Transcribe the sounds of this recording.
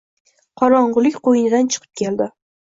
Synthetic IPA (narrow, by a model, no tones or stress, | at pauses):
qʰɒɾɒɴʁʊlˠɪkʲqojɪnɪd̪ant͡ʃʰɨ̥qʰɨ̥p̚kʲʰe̞ld̪ɪ